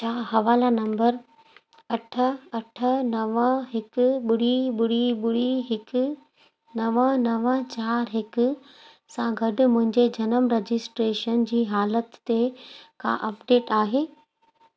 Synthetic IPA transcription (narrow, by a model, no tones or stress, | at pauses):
t͡ɕʰaːɦɐʋaːlanɐ̃mbəɾ | ɐʈʰəɐʈʰə̆nɐʋə̃ɦɪkɓʊɽiɓʊɽiɓʊɽiɦɪk | nɐʋə̃nɐʋə̃t͡ɕaːɾɦɪkʊ̆ | sãɡʱɐɖʊ̆mʊ̃ɦɪ̃ɲd͡ʑed͡ʑɐnəmɾed͡ʑɪsʈɾeːʃənd͡ʑiːɦaːlət̪ːekã̰ʔɐpɖeːʈaːɦeː